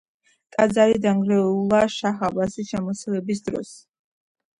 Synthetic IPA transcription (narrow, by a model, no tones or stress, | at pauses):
kʼad̪zaɾid̪aŋɡɾɛulˠaʃaχabasiʃɛmɔsɛlɛbis̬d̪ɾɔ̰s